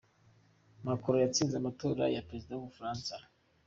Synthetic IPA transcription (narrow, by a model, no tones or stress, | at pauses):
makuɾojat͡sinzamatuɾa̰japɾezidãwufɾãnsa